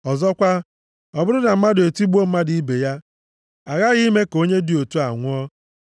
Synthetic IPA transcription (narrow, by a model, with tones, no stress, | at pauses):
ɔ˨zɔ˦kʷa˦ | ɔ˨bʊ˦ɾʊ˦na˨m̩˦ma˦de˨ti˦ɡ͡bu˦o˦m̩˦ma˦di˨i˦be˨ja˦ | a˨ɣa˦ɣi˦me˦ko˦ɲe˦di˨o˨tu˦a̰˨ŋʷʊ˦ɔ˦